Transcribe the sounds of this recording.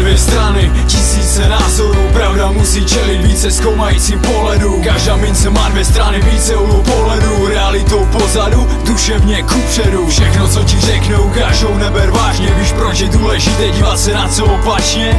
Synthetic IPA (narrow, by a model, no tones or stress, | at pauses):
vjɛst̪ɾanɪ | cisiːt͡sɛnaːzoɾuːpɾavdamusiːt͡ʃɛlit̪viːt͡sɛskowmajiːt͡sipoɦlɛdukaʒdaːmɪnt͡sɛmaːdvjɛst̪ɾanɪviːt͡sɛulupoɦlɛduɾɛalɪt̪owpozadu | d̪uʃɛvɲɛkupʂɛɾufʃɛxnot͡socirɛknuwkaʒdownɛbɛɾvaːʒɲɛbiʃpɾot͡ʃjɛduːlɛʒit̪ɛɟiːvat̪sɛnat̪t͡soopat͡ʃɲɛ